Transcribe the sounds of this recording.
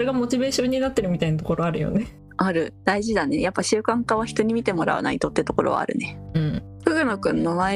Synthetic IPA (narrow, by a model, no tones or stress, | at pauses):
ɾe̞ɡamo̞t͡ɕibe̞ːɕõ̞ɲ̟ːinat̪ːe̞ɾɯ̟mʲit̪ainat̪oko̞ɾoaɾɯ̟jo̞̰ne̞ | aɾɯ̟d̪̥aiʑid̪ane̞japːaɕɨːkãŋkaβ̞açʲi̥t̪o̞ɲ̟imʲit̪e̞mo̞ɾa̰ɯ̰na̰it̪o̞t̪ːet̪o̞ko̞ɾo̰a̰ːɾɯ̟̰ne̞ɯ̟̃ɴkɯ̟ɡɯ̟no̞kɯ̟̃nːoma